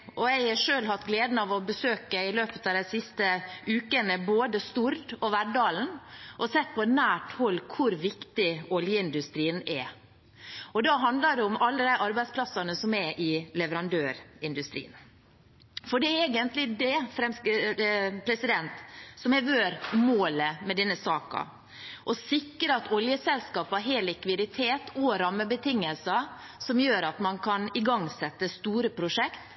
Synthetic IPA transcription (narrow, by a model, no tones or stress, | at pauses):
ʔɔɛɪɑʂøːlɦhɑt̪ːɡleːd̪n̩ɑʋɔbəsøːkəɪløːpət̪ɑʋd̪æɪsɪst̪əʔʉːkənəboːd̪əst̪uːɾd̪ɔʋæɖɑːln̩ʔɔsɛt̪̚ːpʰɔnæːʈhɔlːkʰʊɾʋɪkt̪ɪɔljəɪnd̪ʉst̪ɾiːənɛ | ɔd̪ɑɦɑnd̪lɑɖ̪ɛʊmɑlːəd̪æɪʔɑɾbæɪspʰlɑsɑnəsɔmɛʔɪlɛʋəɾɑnd̪øːɾɪnd̪ʉst̪ɾḭːən | fɔɖɛæɾeːɡənt̪lɪd̪ɛfɾɛmsk | pʰɾɛsɪd̪ɛnt̪sɔmɛɾʋøːɾmoːləmɛd̪ɛnːəsɑːkɑ̰ | ʔɔsɪkːəɾɑt̪ʰɔljəsɛlskɑːpɑɾɦeːlːɪkʋɪd̪ɪt̪ʰeːt̪ʰɔɾɑmːəbət̪ʰɪŋːəlsɑ | sɔmjøːɾɑt̪mɑnkʰɑnɪɡɑŋsɛt̪ːəst̪uːɾəpʰɾʊʂɛkt̪